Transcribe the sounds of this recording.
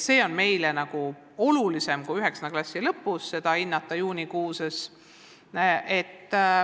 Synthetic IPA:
se̞ːo̞nme̞jlenɑɡ̥u | o̞lulise̞mkujyɦe̞ksɑneklɑsʲːilɤpːˑusːe̞d̪̥ɑinːɑt̪ːˑɑjuːnikuːses | e̞t̪ːˑ

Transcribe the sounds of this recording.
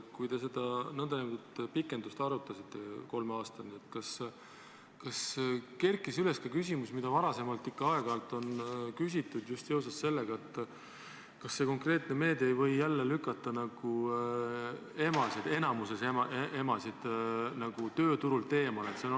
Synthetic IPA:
kujt̪e̞s̬e̞d̪̥ɑnɤnd̪ɑnemd̪ut̪pikːˑe̞nd̪̥ust̪ɑɾut̪ːˑɑsit̪ːˑe̞ko̞lmeɑːst̪ɑnie̞t̪ːkɑs | kɑske̞rkːˑisyle̞skɑkysʲimusmid̪̥ɑvɑɾɑse̞mɑlt̪ːˑikːɑɑe̞ɡ̥ɑlt̪ːˑo̞nkys̬ʲit̪ːˑud̪̥just̪jews̬ɑsse̞lːeɡ̥ɑe̞t̪ːˑ | kɑsːe̞ko̞ŋkre̞ːt̪ˑne̞me̞ːd̪eejvɤ̞jːælːelykːˑɑt̪ˑːɑnɑɡ̥u | e̞mɑsid̪e̞nɑmuse̞semɑʔeʔe̞mɑsid̪̥nɑɡ̥ut̪ø̞ːt̪uɾult̪e̞ːmɑle̞t̪sen

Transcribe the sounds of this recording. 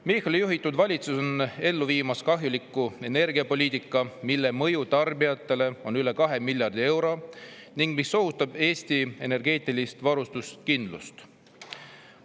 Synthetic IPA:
mixɑlijuɦit̪ːˑud̪vɑlʲit̪suso̞ne̞lːuviːmɑskɑɦjulikːˑue̞ne̞rɡ̥iɑpo̞lʲiːt̪ːˑikːˑɑmilːe̞mɤ̞jut̪ɑrbijɑt̪ːˑe̞le̞o̞nyle̞kɑɦe̞milʲjɑrd̪ie̞wɾo̞ | niŋɡ̥misːo̞ɦust̪ɑbe̞ːst̪ie̞ne̞rɡe̞ːt̪ˑilist̪vɑɾust̪ust̪̚kind̪̥lṵst̪

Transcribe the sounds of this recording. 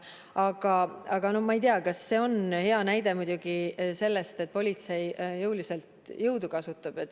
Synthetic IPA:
ɑɡ̥ɑɑɡ̥ɑno̞hmɑejt̪eɑkɑsːe̞o̞nhe̞ɑnæjd̪̥e̞mud̪ʲuɡ̥ise̞lːe̞st̪e̞t̪̚po̞lʲit̪se̞jjɤwlise̞lt̪jɤwd̪ukɑsut̪ːˑɑb̥e̞t̪ːˑ

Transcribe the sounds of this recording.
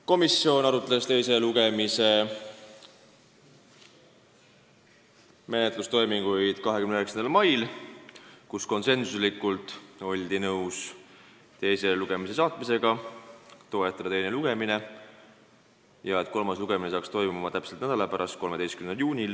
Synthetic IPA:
ko̞misːjo̞nɑɾut̪ːˑelest̪e̞jse̞luɡe̞mise̞ | me̞net̪ˑlust̪o̞jmiŋɡ̥ujd̪̥kɑɦe̞kymneøeksɑnd̪ɑlmɑjl | kusko̞nse̞nsuslikːˑult̪ˑo̞lʲd̪̥inɤws | t̪e̞jse̞luɡ̥e̞mis̬e̞sɑːt̪mise̞ɡ̥ɑ | t̪o̞et̪ːˑɑd̪ɑt̪e̞jniluɡ̥e̞mine̞ | jɑe̞t̪̚ːˑko̞lmɑsluɡ̥e̞mine̞sɑːkst̪o̞jmiumɑt̪æpselt̪næd̪̥ɑlɑpæɾɑst̪̚ko̞lme̞d̪ejskymneljuːnʲil

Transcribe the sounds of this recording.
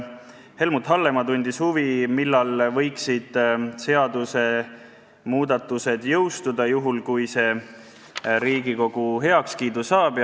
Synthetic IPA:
he̞lmut̪ːˑhɑlːe̞mɑt̪unʲd̪̥ishuvimilːɑlvɤ̞jksid̪̥se̞ɑd̪use̞ | muːd̪̥ɑt̪ːˑuse̞d̪̥jɤ̞wst̪ud̪̥ɑjuɦulkujse̞ | ɾiːɡ̥iko̞ɡ̥uɦe̞ɑkskiːd̪usɑːb̥

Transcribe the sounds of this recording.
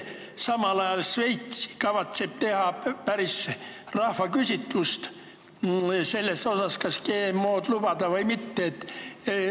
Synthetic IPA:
sɑmɑlɑjɑlsve̞jt̪si̥kɑvɑt̪seb̥̚t̪e̞hɑpæɾis | rɑhvɑkysʲit̪ːˑust̪ | se̞lːeso̞sɑskɑskeːmːoːd̪̥lub̥ɑd̪̥ɑvɤjmit̪ːeːt̪ː

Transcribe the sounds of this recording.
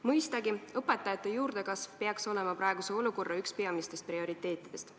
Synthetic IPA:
mɤjst̪ɑɡiɤpˑe̞t̪ːˑɑjɑt̪ːˑe̞juːɾd̪̥e̞kɑsvpe̞ɑkso̞le̞mɑpɾʔɑeɡuse̞o̞luko̞rːɑykspe̞ɑmist̪est̪̚prio̞ɾit̪ːˑe̞ːt̪ːˑid̪̥est̪

